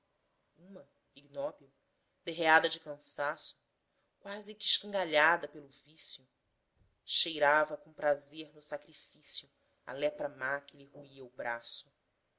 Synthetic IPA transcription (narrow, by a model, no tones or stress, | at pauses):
ũmɐ | iɡnɔbiw | d̪eɦead̪ɐd͡ʒɪkɐ̃sasʊ̥ | kwazɪkɪʃkɐ̃ŋɡaʎad̪ɐpelʊvisjʊ | ʃejɾavɐkõpɾazeɾnʊsakɾifisjʊ | ɐ̰lɛpɾɐmakɪlihuiɐubɾasʊ